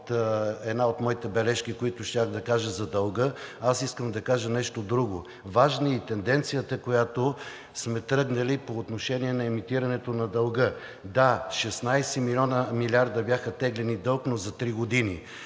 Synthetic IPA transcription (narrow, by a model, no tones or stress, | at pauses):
t̪ɛd̪naot̪mɔit̪ɛbɛlɛʃkikoit̪ʊʃt̪ʲaxd̪ɐkaʒəzɐd̪ɐlˠɡəasiskəmd̪ɐkaʒənɛʃt̪od̪ɾuɡo | vaʒnəit̪ɛnd̪ɛnt̪sijət̪əkojat̪o | smɛt̪ɾɤɡnɐlipoːt̪noʃɛniɛnɐɛmit̪iɾɐnɛt̪onɐd̪ɐlˠɡɤ | d̪aʃɛsnajsɛmilʲɔnəmilʲiaɾd̪ɐbjaxɐt̪ɛɡlɛnid̪ɤlˠknozɐt̪ɾiɡod̪ini